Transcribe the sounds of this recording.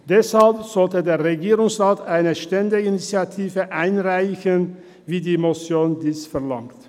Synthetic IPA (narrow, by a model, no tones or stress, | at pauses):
d̥ɛshalpz̥ɔltədeːɐʁeɡiːʁʊŋsʁaːtaɪnəʃtɛndəinit͡sjatʰiːvəʔaɪnʁaɪçən | viːdiːmot͡sjoːndiːsfɛɐlaŋkt